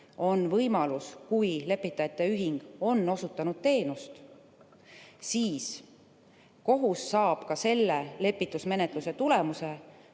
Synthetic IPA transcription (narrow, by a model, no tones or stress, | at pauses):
o̞nvɤjmɑluskujle̞pːˑit̪ːˑɑjɑt̪ːˑe̞yɦiŋɡ̥o̞nːo̞sut̪ːˑɑnud̪̥̚t̪e̞ːnust̪ | siːs | ko̞ɦusːɑːb̥kɑse̞lːele̞pːˑit̪ˑusme̞ne̞t̪ˑluse̞t̪ule̞muse